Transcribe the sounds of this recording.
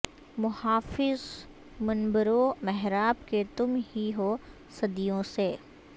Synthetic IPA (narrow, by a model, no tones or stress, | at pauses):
mʊhaːfɪz | mɐnbəɾomɛɦɾaːb̚ket̪ʊmɦiɦoː | sɐd̪ijõseː